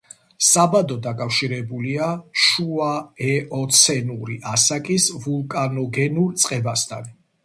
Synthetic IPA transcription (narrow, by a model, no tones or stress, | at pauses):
sabad̪ɔd̪akʼafʃiɾɛbuliaʃuaɛʔɔt̪sʰɛnuɾiʔasakʼisvulˠkʼanɔɡɛnuɾt̪sʼqʼɛbast̪ʰa̰n